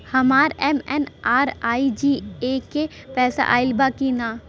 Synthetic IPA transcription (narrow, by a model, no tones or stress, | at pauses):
hɐmaːɾɛːmɛnaːɾaːid͡ʒiːeke | pɛːsa̰ʔa̰ːɪlbaːkinaː